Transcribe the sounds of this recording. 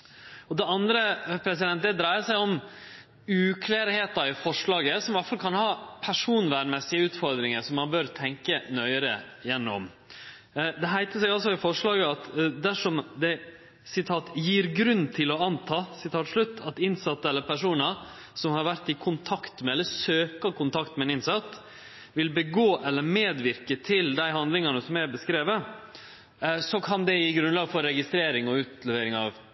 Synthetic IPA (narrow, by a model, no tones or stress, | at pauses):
ɔd̪ɛɑnd̪ɾəpʰɾɛs̬ɪd̪ɛnt̪̚d̪ɛd̪ɾæɪəsæɪɔm | ʉːkʰleːɾheːt̪ɑɾɪfɔʂɭɑːɡəsɔmʋæʈfɑlkʰɑnhɑːpʰæʂuːnʋæːmɛsɪəʉːt̪fɔɾd̪ɾɪŋəɾsɔmːɑnbœɾt̪ʰɛŋkənœʏəɾə̰jɛnːɔ̰m | d̪ɛɦæɪt̪əsɛɡɑls̬ɔɪfɔʂɭɑːɡəɑt̪d̪æʂɔmd̪ɛ | sɪt̪ʰɑːt̪jiːɾɡɾʉnːt̪ʰɪlɔɑnt̪ʰɑːsɪt̪ʰɑːt̪ʂɭʉt̪ːɑt̪ɪnsɑt̪ːəɛlːəɾpʰæʂuːnəɾ | sɔmhɑɾʋæɾt̪ɪkʰʊnt̪ʰɑkt̪mɛɛlːəsøːkɑkʊnt̪ʰɑkt̪mɛɛːnɪnsɑt̪ː | ʋɪlbəɡoːʔɛlːəmeːd̪ʋɪɾkət̪ʰɪld̪æɪhɑnd̪lɪŋɑnəsɔmæɾbəskɾeːʋə | sɔkʰɑnd̪ɛɪɡɾʉnlɑːɡfɔɾːɛɡɪst̪ɾeːɾɪŋɔʉːt̪lɛʋeːɾɪŋɑʋ